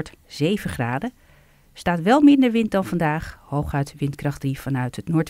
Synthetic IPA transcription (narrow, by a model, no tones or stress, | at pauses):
ɹtz̥ejvəχraːdə | staːtʋɛlˠmɪndəɹʋɪnt̚dɑnvɑndaːχhowχœɥtʋɪntkrɑχdriv̥ɑnœɥtɦətnʊːɹt